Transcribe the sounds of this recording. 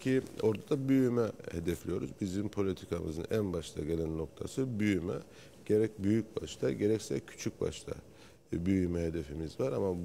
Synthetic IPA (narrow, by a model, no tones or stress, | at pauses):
cʰio̞ɾd̪ad̪abyjymɛhe̞d̪ɛflʲijo̞ɾuzbizimpʰo̞lʲit̪ʰikʰamɯ̰zɯnʔænbaʃt̪ʰaɟe̞lʲænːo̞k̚t̪ʰa̰sɯbyjymɛ̰ | ɟ̥e̞ɾɛc̚byjyc̚baʃt̪ʰaɟe̞ɾɛcsɛcʰy̥t͡ʃʰyc̚ba̰ʃt̪ʰa̰ | byjymɛɦe̞d̪e̞fimizvaɾama